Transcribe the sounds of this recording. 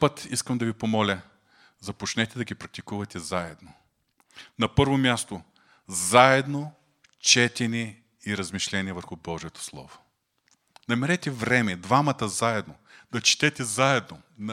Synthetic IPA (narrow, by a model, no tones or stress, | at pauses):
pɤt̪iskəmd̪ɐvipomɔlʲə | zɐpot͡ʃnɛt̪ɛd̪ɐɡʲipɾɐk̚t̪ikuvɐt̪ɛzaɛd̪no | nɐpɤɾvomʲjast̪o | zaɛd̪no | t͡ʃɛt̪ʲɛnʲiɛ | iɾɐzmiʃlʲɛniɛvəɾxubɔʒijət̪o̥slˠɔ̰vo̥ | nɐmɛɾɛt̪ɛvɾɛmɛd̪vamɐt̪ɐzaɛd̪no | d̪̥ɐt͡ʃɛ̥t̪ɛt̪ɛzaɛd̪no | n